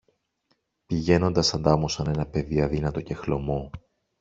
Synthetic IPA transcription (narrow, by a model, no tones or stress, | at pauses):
piʝe̞no̞nd̪ɐsɐnd̪ɐmusɐne̞nɐpe̞ðiɐðinɐt̪o̞ce̞xlo̞mo̞